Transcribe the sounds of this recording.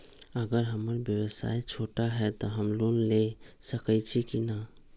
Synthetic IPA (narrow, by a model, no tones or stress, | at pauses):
əɡəɾɦəməɾbjəwəsa̰jt͡ʃʰoʈaɦɛt̪ɔɦəmlunlesəkət͡ʃʰikina